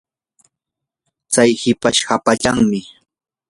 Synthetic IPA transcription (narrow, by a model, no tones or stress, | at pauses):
t͡sajhɪpaʃhapaʎaŋmɪ